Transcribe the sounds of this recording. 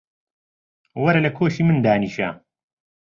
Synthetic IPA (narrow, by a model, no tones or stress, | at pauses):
wɐɾɐlɐkʰoːʃiːmɨnd̪aːniːʃa̰